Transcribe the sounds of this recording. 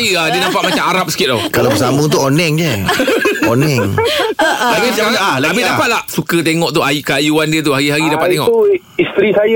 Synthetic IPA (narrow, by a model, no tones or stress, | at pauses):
jəadiənãmpaʔmat͡ʃamaɾap̚sə̥kɪt̪̚lɔkalabəsamut̪̬uonɛŋɲə | onɛŋ | aɡiakaalabidapat̪̚lahsukət̪̬eŋɔʔt̪uajkəajuandiət̪̬uɦaɾiɦaɾidapat̪eŋɔ̰ʔ | ist̪ɾisaj